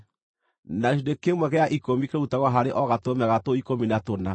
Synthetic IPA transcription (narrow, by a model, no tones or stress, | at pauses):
naɣeʃ̬idekemwɛɣɛaʔikomikeɾoutaɣwaɦaɾeʔɔɣatomɛɣatoikominatona